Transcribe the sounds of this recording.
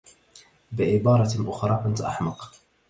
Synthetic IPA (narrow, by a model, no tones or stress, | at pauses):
bɪʕɪbɑːɾˤɑʔʊxɾˤɑːkʊnt̪ʔa̰ħmɑq